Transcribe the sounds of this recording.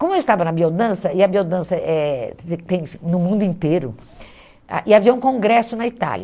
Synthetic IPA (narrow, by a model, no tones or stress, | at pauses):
kõmʊewist̪avɐnɐbiod̪ɐ̃sɐɪɐbiod̪ɐ̃sɐʔɛet̪ẽj̃snʊmũnd̪ʊĩnt̪eɾʊ̰ | a̰ʔɪaviɐũkõŋɡɾɛsʊnɐit̪a̰ʎʲɐ